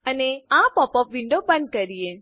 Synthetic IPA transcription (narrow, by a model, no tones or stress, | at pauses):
əneãpɔpɔpʋiɳɖopəɳɖ̚kəɾie